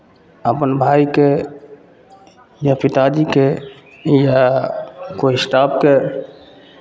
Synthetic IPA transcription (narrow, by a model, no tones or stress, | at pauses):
əpənbʱaike | japit̪ad͡ʒike | ja | koisʈapke